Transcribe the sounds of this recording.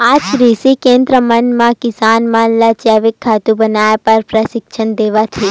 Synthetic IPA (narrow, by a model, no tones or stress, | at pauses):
aːd͡ʒɾiːsikẽːnd̪ɾəmɐnmãkɪsaːnmãːnlat͡ʃjaːʋɪkʰːaːt̪ũbɐnaːjpɐɾpɾəsɪkʃʰənd̪eːʋat̪ʰiː